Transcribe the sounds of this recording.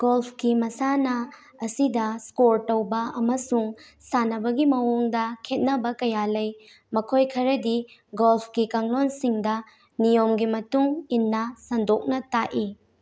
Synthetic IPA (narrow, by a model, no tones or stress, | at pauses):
ɡolpʰkimɐsanɐ | ɐsidɐskoɾtɐwbɐɐmɐsuŋ | sanɐbɐɡimɐwuŋdɐkʰet̚nɐbɐkɐjalɐj | mɐkʰojkʰɐɾɐdiɡolpʰkikaŋlonsiŋdɐ | nijomɡimɐtuŋinːɐsɐndok̚nɐtaʔi